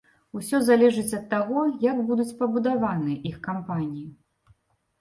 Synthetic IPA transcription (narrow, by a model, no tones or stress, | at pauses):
usʲɔzalʲɛʐɨt͡sʲɐt̪ːaɣɔjaɡbud̪ut͡sʲpɐbud̪avanɨɐʔixkampanʲiji